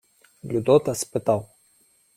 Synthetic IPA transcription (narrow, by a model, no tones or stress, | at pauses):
lʲud̪ɔt̪ɐspɪt̪aw